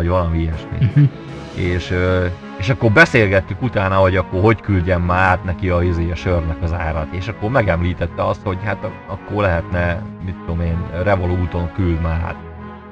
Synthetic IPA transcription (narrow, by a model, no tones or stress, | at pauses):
ɒɟʋɒlɒmiiɛʃmḭ | eːʃøː | eːʃɒkːo̞rbɛseːlɡɛt̪ːykut̪aːnɒɦo̞ɟɒkːoɦo̞ckylɟɛmːaːt̪nɛkiɒizeːjɒʃørnɛkɒzaːɾɒt̪eːʃɒkːormɛɡɛmliːt̪ɛt̪ːɛɒst̪ho̞ɟhat̪ | ɒkːorlɛɦɛt̪nɛmit̪ːud̪o̞meːnrɛvoluːt̪o̞ŋkyld̪maːt̪̚